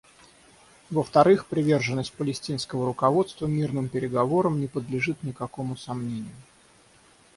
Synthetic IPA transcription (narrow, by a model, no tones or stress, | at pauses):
vəft̪ɐɾɨxpɾʲɪvʲerʐɨnːəsʲt̚ʲpəlʲɪsʲtʲinskəvəɾʊkɐvo̞t̪st̪vəmʲirnɨmpʲɪɾʲɪɡɐvo̞ɾəmnʲɪpəd̪lʲɪʐɨt̪nʲɪkɐko̞mʊsɐmnʲenʲɪjʊ